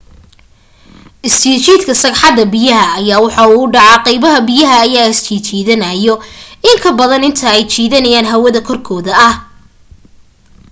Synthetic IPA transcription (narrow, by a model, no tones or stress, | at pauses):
ʔɪst͡ʃiːt͡ʃiːd̪kʰɐsɐɡħɑd̪ɐbɪjɐɦɐːjaːwɑħɑuːʊɖɑʕɑqɛjβɐɦɐbɪjɐɦɐːjaːɪst͡ʃʰiːt͡ʃʰiːðɐnɐjɔɪŋkʰɐbɐðɐnɪnt̪ʰɐɛjt͡ʃiːðɐnɐjaːnɦɐwɐðɐkʰɔrkʰɔːðɐʔɐh